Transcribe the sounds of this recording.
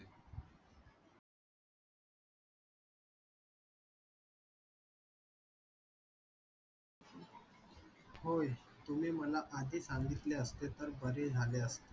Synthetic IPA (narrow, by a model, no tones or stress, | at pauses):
hojt̪umiːməlaʔad̪ʱiːsaŋɡit̪leəst̪et̪əɾbəɾed͡zʱaleəst̪e